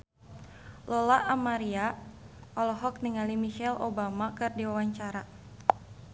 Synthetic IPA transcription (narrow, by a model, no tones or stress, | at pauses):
lolaʔamaɾia | ɔlɔɦɔk̚niŋalimiʃɛlobamakɨrdiwawaɲt͡ʃaɾa